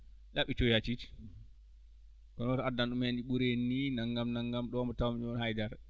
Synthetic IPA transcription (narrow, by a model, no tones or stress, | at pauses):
ɗaɓit͡ʃɔjat͡ʃiti̥ | kɔnɔtadanɗumend͡ʒiɓuɾenːinaŋɡamnaŋɡamɗɔmɔtawamɲɔnhajdaɾ